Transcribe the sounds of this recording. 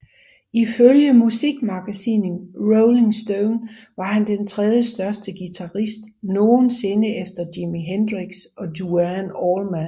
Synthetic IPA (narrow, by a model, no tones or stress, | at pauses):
iføljəmusiɡ̥mɑ̈ɡ̥æsḭnnʁoʊle̝ŋsd̥oʊn | ʋɑ̈hænd̥ent͡sʰʁɛð̞ˠjəsd̥ɶɐsd̥əɡ̥it͡sʰɑ̈ʁisd̥no̝ːn̩se̝nəefd̥ɐdimiɦend̥ʁiɡ̥sɒ̽duænɒːlmæn